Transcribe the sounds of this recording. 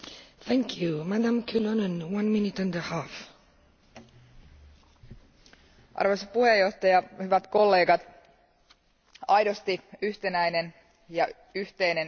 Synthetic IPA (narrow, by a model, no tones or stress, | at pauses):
θæ̃ŋkʰjumadãmkʰulonə̃nwãnminɪtãndəhaf | ʔɑ̰rʋo̞sɑpuhe̞jo̞ht̪ɑjɑhyʋæt̪ko̞lːe̞ːɡɑt̪ | ɑjdost̪iyht̪enæjne̞n | jɑ | yht̪e̞jnen